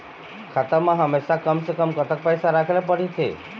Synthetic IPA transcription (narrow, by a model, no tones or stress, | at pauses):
kʰat̪əɾmãɦəmeʃakəmsəkəmkət̪ək̚pəjsaɾakʰelap̬əɽit̪ʰḛ